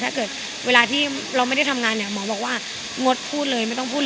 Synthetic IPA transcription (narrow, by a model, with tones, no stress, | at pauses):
t̪ʰaː˥˩kɤː˨˩t̪̚ | wʔeː˧laː˧t̪ʰiː˥˩ | ɾa˧wma˥˩jda˥˩jt̪ʰa˧mŋaː˧nːi˥˩ɐmɔː˩˦bɔː˨˩k̚waː˥˩ | ŋo˦˥t̪̚pʰuː˥˩t̪̚lɤː˧jma˥˩jt̪ɔ˥ŋpʰuː˥˩